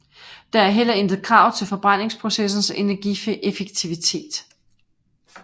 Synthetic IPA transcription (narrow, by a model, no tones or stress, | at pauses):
d̥ɑ̈æɐɦel̰ɐend̥ð̩ˠkʰʁɑ̈ʊt͡sʰe̝lfɒ̽b̥ʁɑn̰e̝ŋspʰʁo̝sesn̩senæɐɡ̥iefeɡ̥̚t͡sʰiʋit͡sʰe̝̰ːd̥